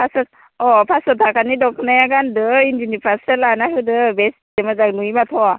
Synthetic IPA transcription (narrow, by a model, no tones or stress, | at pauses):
pʰasɔ | ɔpʰasɔtʰakʰanidɔkʰnajaɡandɯind͡ʒinipʰaselanaɦɯdɯbesdemazaknujmatʰɔ